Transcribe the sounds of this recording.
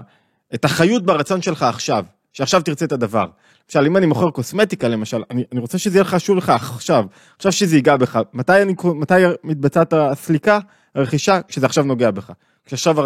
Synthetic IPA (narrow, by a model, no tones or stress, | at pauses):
etaχajut̚baʁat͡so̞nʃe̞lχaːχʃav | ʃeaχʃavt̪iʁt͡se̞et̪ad̪ava̰ʁ | lemaʃalimanimo̞χeʁko̞smetikale̞maʃalanianiʁo̞t͡seʃezejelχaaʃuvle̞χaːχʃav | aχʃavʃezeiɡabe̞χamat̪ajanikomat̪ajmit̪̚bat͡sat̪aslika | haʁeχiʃakʃezeaχʃavno̞ɡe̞abe̞χa | kʃeaχʃava